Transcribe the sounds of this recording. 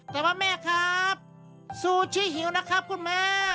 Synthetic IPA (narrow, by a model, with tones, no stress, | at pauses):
t̪ɛː˨˩waː˧mɛː˧˩˨kʰa˦p̚ | suː˧˩t͡ɕʰi˧˥˨ɦĩ˨˦wna˧˥kʰa˦˥p̚kʰɯ˧˩˨nmaː˧